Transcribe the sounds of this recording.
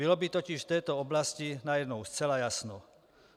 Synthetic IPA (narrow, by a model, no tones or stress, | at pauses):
ilɔbit̪ɔciʃft̪ɛːt̪ɔɔblascinajɛd̪nɔʊst͡sɛlajasnɔ